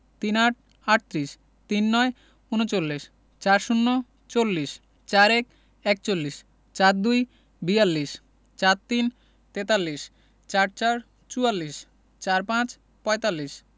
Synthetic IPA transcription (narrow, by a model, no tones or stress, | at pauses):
t̪inaʈ̚ | aʈ̚t̪ɾiʃ | t̪inːɔe | unot͡ɕolːiʃ | t͡ɕaɾʃunːo | t͡ɕolːiʃ | t͡ɕaɾɛk | ɛk̚t͡ɕolːiʃ | t͡ɕaɾd̪uj | bialːiʃ | t͡ɕat̪t̪ːin | t̪et̪alːiʃ | t͡ɕaɾt͡ɕaɾ | t͡ɕualːiʃ | t͡ɕaɾpãt͡ɕ | pɔet̪alːiʃ